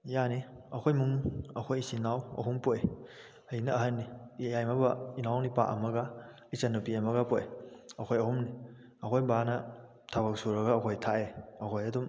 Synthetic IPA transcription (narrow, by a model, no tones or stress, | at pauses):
janiɐkʰojmuŋɐkʰojsinawɐ̰ɦumpoj | ɐjinɐɐɦɐnːijajmabɐinawnipaʔɐmɐɡa | isɐnupiamɐɡapojɐkʰojɐhumni | ɐkʰojbanɐ | tʰabɐk̚suɾɐɡaːkʰojtʰaeɐkʰojɐdum